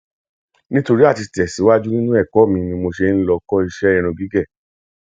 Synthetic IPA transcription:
nĩ˦to˧ɾi˦a˦˨ti˧tɛ˨si˨˦wa˦d͡ʒu˦nĩ˦nũ˦ɛ˦˨kɔ˨˦˨mĩ˧nĩ˧mo˧ʃe˧n̩˦lɔ˧kɔ˦i˧ʃɛ˦ĩ˧ɾ̃ũ˧ɡi˨˦ɡɛ˦˨

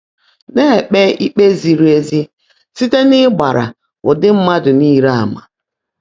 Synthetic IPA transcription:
ne˦˨k͡pe˦i˦k͡pe˦zi˨ɾu˦e˦zi˦ | si˦te˦nɪ˦ɡ͡ba˨ɾa̰˨ | ʊ˨dɪ˦m̩˦ma˦dʊ˨niː˦˨˦ɾa˦˨ma˨

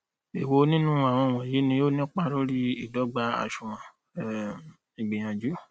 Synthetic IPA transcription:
e˨wo˧nĩ˦nũ˦a˨w̃ɔ̃˧˨w̃ɔ̃˨ji˨˦nĩ˧jo˦nĩ˦k͡pa˦ɾo˦ɾi˦i˦˨dɔ˨˦ɡ͡ba˧a̰˨ʃũ˨ɾ̃ã˨ | i˨ɡ͡be˨j̃ã˨d͡ʒu˨˦

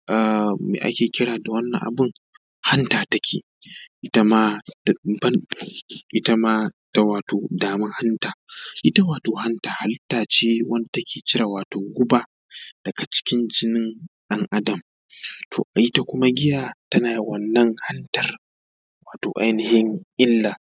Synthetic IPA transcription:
ʔaː˨mḛː˨ʔa̰˦kʲeː˨kʲɪ˦ɽaː˨da˨wɐ˦nːɐ̰˨ŋʔa̰˨bʊ˦˨ŋ | ha˦ntaː˨tɐ˦kʲeː˨ | ʔɪ˦ta˦maː˦bɐ˦nʔɪ˦ta˦maː˦ta˦waː˨toː˨daː˨mɪ˦ŋha˦ntaː˨ʔɪ˦ta˦waː˨toː˨ha˦ntaː˨ha˦ltaː˨t͡ʃeː˦wɐ˦nda˨tɐ˦kʲʰeː˨kʲɪ˦ɾaː˨waː˨toː˨ɡʷʊ˦baː˨ | d̥ɐ˨ɡa˨t͡ʃɪ̥˦kʲɪ˦nd͡ʒɪ˦nɪ˦nɗɐ˦ŋʔa˦dɐ˨m | tʰo̰ː˨ʔa˨ʔɪ˦ta˦kʷʊ˦ma˦ɡʲɪ˦jaː˦tɐ˦naː˨wɐ˦nːɐ˦ŋha˦ntɐ˨r | waː˨toː˨ʔa˦jnɪ˨hɪ˦ŋʔɪ˦lːaː˨

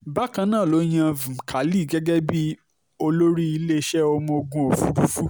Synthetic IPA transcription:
ba˦˨kã˧nãː˦˨lo˨˦j̃ã˦˨vũ˨kʰa˨li˦˨ɡɛ˦ɡɛ˦bi˦ | o˧lo˦ɾi˦i˧le˦ʃɛ˦o˧mɔ̃˧o˧ɡũ˧o˨fũ˨˦ɾu˦fu˦

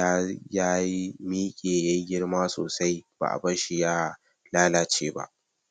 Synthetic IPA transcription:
a˦jaː˦ji˦miː˦kʲʼeː˨jɐ˦ɡʲɪ˦ɽmaː˦so̰ː˨sa˦jb̥a̰ː˨ʔa̰˨bɐ˦ʃi˦jaː˦˨ | laː˦laː˦t͡ʃeː˦ba̰˦ʔ

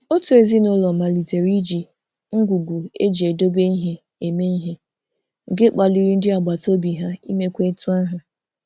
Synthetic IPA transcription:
o˦tu˨e˨zi˦nʊ˦lɔ˨ma˨li˨te˨ɾi˦d͡ʒi˨ | ŋ̩˦ɡʷu˨ɡʷu˨ḛ˦d͡ʒi˨e˨do˦be˦i˦ɦe˦ | e˨me˦i˦ɦe˦ | ŋ̩˨ɡe˦k͡pa˨li˨ɾi˦n̩˦dɪ˦a˨ɡ͡ba˨to˦bi˨ɦa˦ḭ˦me˦kʷe˦tu˦a˦ɦa˨

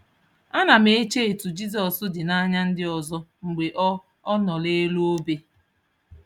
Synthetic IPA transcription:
a˦na˨me˦˨e˦t͡ʃe˦e˨tu˨d͡ʒi˦zɔ˨sʊ˦dɪ˨na˦ɲa˦n̩˦dɪ˦ɔ˨zɔ˦ŋ͡m̩˨ɡ͡be˨ʔɔ˦ | ɔ˦nɔ˨le˦lo˦o˦be˦

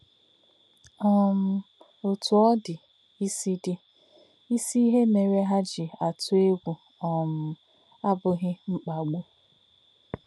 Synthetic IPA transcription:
ɔ˦m̩˦ | o˨tʊ˨ɔ˦dɪ˨ | i˦si˦dɪ˦ | i˦si˦i˦ɦe˦ne˨ɾe˦ɦa˦d͡ʒɪ˨a˨tʊ˦e˦ɡʷu˨ | ɔ˨m̩˨ | a˦bʊ˦ɣɪ˦ŋ͡m̩˦k͡pa˨ɡ͡bo˦

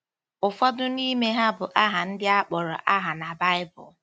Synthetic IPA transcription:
ʊ˨fɔ˦dʊ˦ni˦me˦ɦa˦bʊ˨ʔa˦ɦa˨n̩˦dɪ˦a˦k͡pɔ˨ɾɔ̰˨ʔa˦ɦa˨na˨ba˦ɪ˦bʊ̰˨

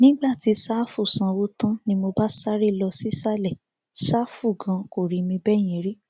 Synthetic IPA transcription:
nĩ˦ɡ͡ba˦˨ti˧sa˦fu˦˨sã˨˧wo˦tã˦nĩ˧˦mo˧ba˦sa˦ɾi˦˨lɔ˧si˦sa˦lɛ˦˨ | ʃa˦fu˦˨ɡã˨˧ko˨ɾi˨mĩ˧bɛ˦˨j̃ɛ̃ĩ˨ɾi˦

